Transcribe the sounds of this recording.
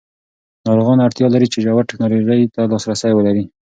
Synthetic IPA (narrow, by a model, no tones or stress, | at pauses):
nɑɾoɣɑnaɽt̪jɑlaɾit͡ʃɪʒawaɾʈɪknɑloʒəjt̪alɑsɾasajwəlaɾi